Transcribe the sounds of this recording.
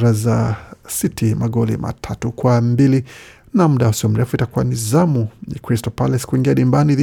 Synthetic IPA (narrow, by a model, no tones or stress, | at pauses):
ɾazasitʰimaɠɔlḭmʔa̰tʰatukwambili | nam̩ɗahusiɔm̩ɾɛfuitakuwanizamuɲa̰kɾistɔpalɛsi̥kuiŋɡiaɗimbanið